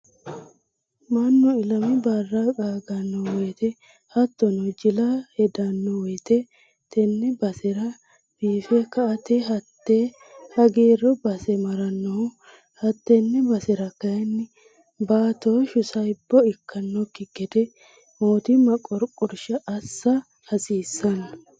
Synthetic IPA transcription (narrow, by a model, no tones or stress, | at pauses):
mɐnːɔɪlɐmɛbarːakʼaːɡɐnːɔwɔjt̪ɛ | hɐt̪ːɔnɔd͡ʒɪlɐhɛd̪ɐnːɔwɔjt̪ɛ | t̪ʰɛnːɛbɐsɛɾɐ | b̥iːfɛkːɐɐt̪eɦɐt̪ːeː | hɐɡeːrɔbɐsɛmɐɾɐnːɔhʊ | hɐt̪ːɛnːɛbɐsɛɾɐkːɐjɛnːɪ | baːt̪oʃʊsɐjbːɔɪkʰːɐnːɔkːɪɡɛd̪ɛ | moːt̪ɪmɐkʼɔɾkʼːɔɾʃɐʔːsːɐ | hɐsiːsːɐnːɐ